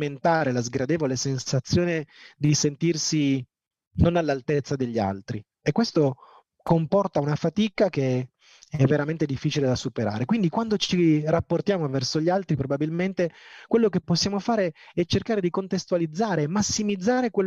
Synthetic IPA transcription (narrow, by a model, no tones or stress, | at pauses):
ment̪aːɾelazɡɾad̪eːvolesensat̪sːjoːned̪isent̪irsi | nonalːalt̪et̪sːad̪eʎːia̰lt̪ɾi | ekːwest̪o | kompɔrt̪aunafat̪ikake | ɛvːeɾament̪ed̪ifːiːt͡ʃiled̪asupeɾa̰ːɾekwind̪ikwand̪ot͡ʃirapːort̪jaːmovɛrsoʎːalt̪ɾipɾobabilment̪ekwelːokepːosːjaːmofaːɾeɛt͡ʃːerkaːɾed̪ikont̪est̪ualid̪zːaːɾemasːimid̪zːaːɾekwel